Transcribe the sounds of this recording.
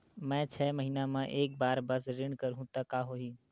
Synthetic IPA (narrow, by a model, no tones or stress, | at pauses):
mɛ̃ːt͡ʃʰɛːməɦiːnamẽʔeːk̚baːɾbɐsɾɪ̃ɳɖkɐɾɦũt̪akaːɦoːɦiː